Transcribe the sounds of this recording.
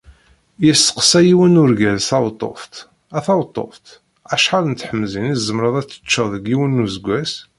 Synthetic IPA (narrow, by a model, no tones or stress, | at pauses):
jəsːə̥qsæjiwənʊɾɡælsɑwt̪ˤːo̰ft̪ | æθɑwt̪ˤːo̰ft̪ | æʃħalnt̪ħəmːzinizːəmɾˤəðˤæt͡sːə̥t͡ʃːəðˤəɡiwənːuzəɡʷːæs